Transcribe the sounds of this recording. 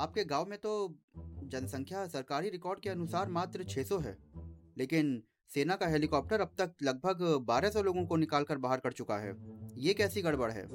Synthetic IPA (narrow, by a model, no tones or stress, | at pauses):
aːp̚keɡaːwmẽt̪o | d͡ʒɐnsɐ̃ŋkʰjasɐɾkaːɾiɾɪkɔːɾɖ̚keɐnʊsaːɾmaːt̪ɾət͡ʃʰeːsoɦɛ̰ːleːkɪn | seːnakaɦɛːlɪkɔːp̚ʈəɾɐb̚t̪ɐk̚lɐɡ̚bʱəɡbaːɾesɔloːɡõkonɪkaːlkəɾbaːɦəɾkɐɾt͡ʃʊkaɦɛ̰ːjekɛːsiɡɐɽbɐɽɦɛ̰ː